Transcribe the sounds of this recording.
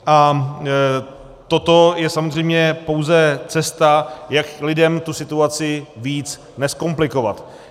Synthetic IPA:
ʔa | t̪o̞t̪o̞jɛsamozr̝ɛjmɲɛpo̞wzɛt͡sɛst̪ajaklɪdɛmt̪usɪt̪uat͡sɪviːt͡s | nɛsko̞mplɪko̞va̰t̪

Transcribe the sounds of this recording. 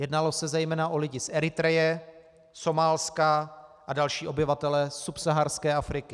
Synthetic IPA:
jɛdnalo̞sɛzɛjmɛːnaʔo̞lɪɟɪsʔɛɾɪt̪ɾɛjɛ | so̞maːlskaʔadalʃiːʔo̞bɪvat̪ɛlɛsupsaɦaɾskɛːafɾɪkɪ

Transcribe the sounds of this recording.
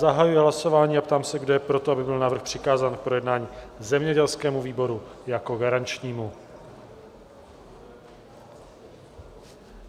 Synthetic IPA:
zaɦajujɪɦlaso̞vaːɲiːapt̪aːmsɛɡdojɛpɾo̞t̪oabɪbɪlnavɾr̩xpr̝̥ɪkaːzaːnk̚pɾo̞jɛdnaːɲiːzɛmɲɛɟɛlskɛːmuviːbo̞ɾujako̞ɡaɾant͡ʃɲiːmu

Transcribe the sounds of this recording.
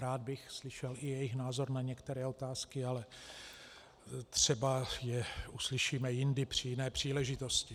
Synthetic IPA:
ɾaːd̪̚bɪxslɪʃɛlɪjɛjɪxnaːzo̞ɾnaɲɛkt̪ɛɾɛːo̞t̪aːskɪalɛ | t̪r̥ɛbajɛuslɪʃiːmɛjɪndɪpr̝̥ɪjɪnɛːpr̝̥iːlɛʒɪt̪o̞scɪ

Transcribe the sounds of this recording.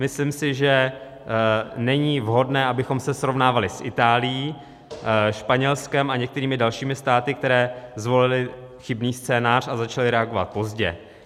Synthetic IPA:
mɪslɪmsɪʒɛ | nɛɲiːvɦo̞dnɛːʔabɪxo̞msɛsɾo̞vnaːvalɪsʔɪ̰t̪aːlɪjiː | ʃpaɲɛlskɛmʔaɲɛk̚t̪ɛɾiːmɪdalʃiːmɪst̪aːt̪ɪk̚t̪ɛɾɛːzvo̞lɪlɪ | xɪbniːst͡sɛːnaːr̝̥azat͡ʃalɪɾɛaɡo̞va̰t̪̚po̞zɟɛ̰

